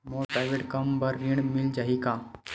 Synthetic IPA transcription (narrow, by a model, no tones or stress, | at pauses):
moːpɾaːɪʋeʈkɐmbəɾːiɽ̃mɪld͡ʒaːɦikãː